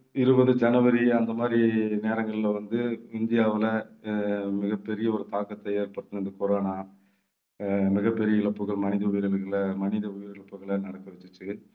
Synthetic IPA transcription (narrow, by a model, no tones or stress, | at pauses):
ɪɾɯbɐðɯd͡ʒɐnɐʋɐɾiɐnd̪ɐmaːd̪ɾineːɾɐŋɡɐɭɪlɐʋɐnd̪ɯɪnd̪ɪjaːʋɪlɐ | mɪɣɐpːɛɾɪjɐɔɾɯt̪aːkɐt̪ːɐjeːɾpɐɽt̪ɯnɐnd̪ɐkɔɾoːnaː | mɪɣɐpːɛɾɪjɐɪɭɐpːɯɣɐɭmɐnɪðɐʊjɪɾɐlɣɐɭmɐnɪðɐʊjɪɾɪɭɐpːɯɣɐɭɐnɐɽɐkːɐʋɛt͡ʃːɯt͡ʃːɯ